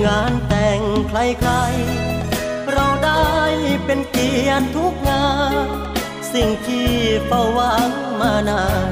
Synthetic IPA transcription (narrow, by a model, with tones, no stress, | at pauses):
ŋaː˧˥nt̪ɛː˨˧˩ŋkʰla˧˩jkʰa˧˥j | ɾa˧wda˥˩jpe˧nki˨˧˥ənt̪ʰu˦˥k̚ŋaː˧n | si˨˩ŋt̪ʰiː˧˥˩pa˧˩wːa˧˥ŋmaː˧˩naː˧˩